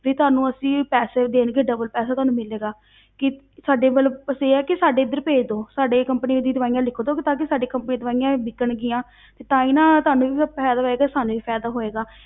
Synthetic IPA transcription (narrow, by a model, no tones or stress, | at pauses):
biːt̪ʊaːnũːəsĩːpɛːseːd̪eːnɡeːɖəbəlpɛːsaːt̪ʊɦaːnũːmɪleːɡaː | kɪ | saːɖeːmət̪ləbəseːɛːkɪsaːɖeːɪd̪ːəɾpeːd͡ʒd̪oːsaːɖeːkəmpniːɪd̪iːd̪ʊʋaːijãːlɪkʰːoːd̪oːkɪt̪ãːk̬isaːɖeːkəmpniːd̪ʊʋaːijãːbɪkːəɳɡɪjãː | t̪eːt̪ãːĩːnãːt̪ʊɦaːnũːʋiːpʰɛːd̪aːɦoːeːɡaːsaːnũːʋiːpʰɛːd̪aːɦoːeːɡaː